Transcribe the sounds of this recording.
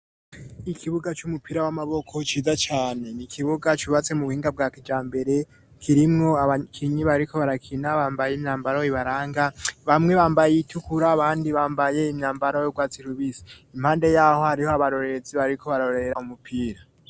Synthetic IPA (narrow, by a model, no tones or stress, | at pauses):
ikʰiβuɡat͡ʃumupʰiːɾawamaβo̞kʰo̞t͡ʃiːzat͡ʃaːne̞nikʰiβuɡat͡ʃuβat͡se̞muβuhiːŋɡab̚ɡaːkid͡ʒaːmbe̞ɾe̞ | kʰiɾimŋo̞aakʰiɲiβaɾiɾikʰo̞βaɾakʰinaβaːmbajeimɲaːmbaɾaiβaɾaːŋɡaβamŋe̞βaːmbajeitʰukuɾaːβaːndiβaːmbaje̞imɲaːmbaɾajoɡwaːt͡siɾuβiziimhaːnde̞jaho̞haɾiho̞aβaɾo̞ɾeziβaɾiɾikʰo̞βaɾoɾeɾaumupʰiːɾa